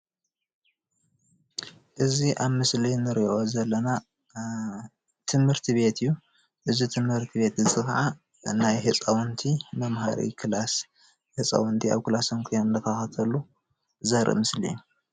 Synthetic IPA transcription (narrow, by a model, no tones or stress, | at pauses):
ʔɨziʔaβmɨslinɨɾio̞zɐlːɐna | t̪ʰɨmhɨɾt̪ʰiβe̞t̪ʰɨjːu | ʔɨzit̪ʰɨmhɨɾt̪ʰiβe̞t̪zɨt͡sʼɨxʕa | najhɨt͡sʼɐwɔnt̪ʰimɐmɦaɾḭkʰɨlas | hɨt͡sʼɐ̰wɔnt̪ʰia̰βkɨlasɐŋkʰijonɨnd̪ʰɐkʰaxɐt̪ʰɐlːu | zɐɾḭmɨslḭjːu